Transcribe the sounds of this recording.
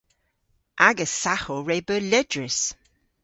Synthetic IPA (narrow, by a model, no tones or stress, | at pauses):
ʔaɡəsaxoɹebəlɛdɹɪs